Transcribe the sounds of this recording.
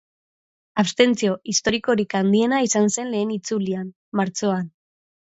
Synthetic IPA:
aβst̪e̞nt͡sio̞ʔist̪o̞ɾiko̞ɾikand̪ie̞naisanse̞nle̞ːnit͡sulianːaɾt͡so̞an

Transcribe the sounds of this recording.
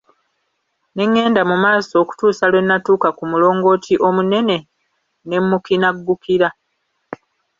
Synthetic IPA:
ne̞ŋːe̞ːndamumaːso̞ːku̥tuːsalwe̞nːatuːkakumulo̞ːŋɡo̞ːtʰiʔo̞mune̞ne̞ | ne̞mːukinaɡːukiɾa

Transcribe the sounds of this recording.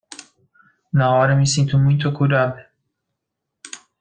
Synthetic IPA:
naːɒɾemisint̪ʰumunt̪ʰokʰuɾab

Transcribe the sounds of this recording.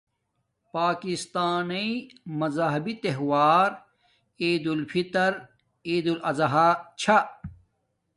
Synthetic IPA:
paːkist̪aːniimɐzaɦɐbit̪eɦwaːɾ | eːd̪ulfʰit̪ɐɾ | eːd̪ulɐzɐɦat͡ɕʰa

